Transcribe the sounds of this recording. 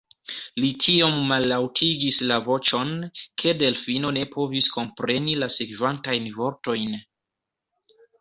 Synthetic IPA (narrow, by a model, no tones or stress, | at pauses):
litʰiomːalːawtʰiɡislavo̞t͡ʃo̞nkʰe̞de̞lfino̞ne̞po̞visko̞mpɾe̞nilasekvantajnvo̞ɾto̞jn